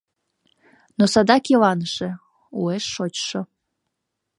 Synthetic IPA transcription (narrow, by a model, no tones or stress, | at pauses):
nosɑd̪ɑkilɑnəʃe | ueʃːot͡ɕʃo